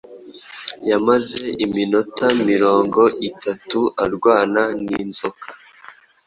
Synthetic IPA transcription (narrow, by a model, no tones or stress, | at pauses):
jamaze̞ʔimino̞tamiɾo̞ːŋɡo̞ʔitʰatuaɾɡwaːnaniːnzokʰḁ